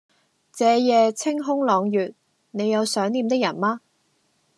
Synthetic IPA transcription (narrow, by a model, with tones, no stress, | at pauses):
t͡sɛː˨˥jɛː˨˧t͡sʰɪ˥ŋɦʊ˥ŋlɔː˨˧ŋjyː˨t̚ | ne˨˧jɐ˨˧wsœː˨˥ŋniː˨˧mt̪ɪ˥k̚jɐ˨˩nmaː˥